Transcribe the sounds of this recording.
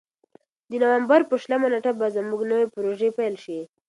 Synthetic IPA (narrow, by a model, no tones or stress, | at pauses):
d̪ənawambaɾpəʃlamaneʈabazəmuɡnəwepəɾoʒepajlʃi